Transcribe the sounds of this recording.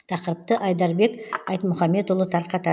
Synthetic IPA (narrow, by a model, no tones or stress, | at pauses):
t̪ʰɑqəɾəp̚t̪əʔɑjd̪ɑɾbe̞kɑjt̪mʊχɑmːe̞t̪ʊlˠət̪ʰɑɾqɑt̪ɑ